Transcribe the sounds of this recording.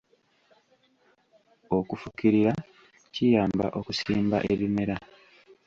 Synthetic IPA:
o̞kufukiɾiɾa | cijaːmba̰ʔo̞kusiːmba̰ʔee̞βime̞ɾa

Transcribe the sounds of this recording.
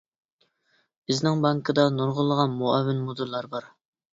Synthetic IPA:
b̥ɪznɪŋbɑŋkʰɨd̪ɑnoɾʁʊlˠːəʁɑnmuɑwːɪnmod̪uɾlːˠɑɾbɑɾ

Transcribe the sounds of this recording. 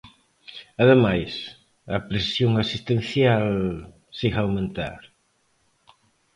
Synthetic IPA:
ɐðemajs | ɐpɾesjoŋasist̪en̟θjal | siɣawmẽnt̪a̰ɾ

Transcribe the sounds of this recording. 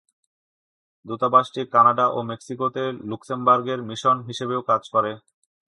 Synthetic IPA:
d̪ut̪abaʃʈikanaɖaʔomeksikot̪eluksembaɾɡeɾmiʃonɦiʃebeokad͡ʑkɔɾe

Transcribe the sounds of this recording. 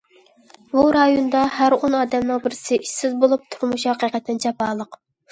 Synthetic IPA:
buɾɑjonɨd̪ɑɦæɾonɑːd̪ɛmnɨŋbɪɾsɪʔiʃsɪzbolˠup̚t̪ʰuɾmuʃhɑqiqɛt̪ʰːɪnt͡ʃʰɛpɑːlˠəq

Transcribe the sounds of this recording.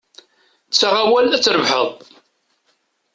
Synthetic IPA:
t͡sːaʁawælæt͡sːɾəvħəðˤ

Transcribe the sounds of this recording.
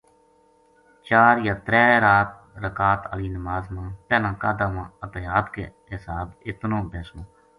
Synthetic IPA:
t͡ʃaːɾjaːt̪ɾɛːɾaːt̪̚ | ɾəkaːt̪aliːnəmaːzmãːp̪ɛːnãːkaːd̪aːʋãːət̪eːaːt̪kḛː | ɦɪsaːbɪt̪nõːbɛːsõː

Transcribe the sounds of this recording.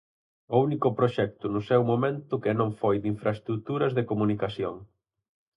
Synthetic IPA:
ounikʊpɾoʃɛk̚t̪ʊnʊsɛwmomẽnt̪ʊkɪnõŋfojd̪iɱfɾɐest̪ɾut̪uɾɐzðekomunikasjoŋ

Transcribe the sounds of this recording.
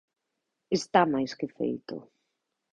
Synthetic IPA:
est̪amajskɪfḛjt̪ʊ̰

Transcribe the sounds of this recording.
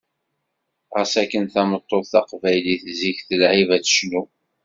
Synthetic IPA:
ʁæsækːənθæmət̪ˤːoðˤθɑqvæjliθziçθəlʕivæt͡sə̥ʃnu

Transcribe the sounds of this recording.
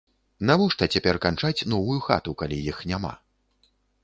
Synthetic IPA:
navɔʂt̪ɐt͡sʲapʲɛrkant͡ʂat͡sʲnɔvujuxa̰t̪ukalʲijixnʲama̰

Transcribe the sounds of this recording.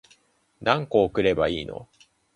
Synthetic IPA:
nãŋkoːkɯ̟ɾe̞baiːno̞̰

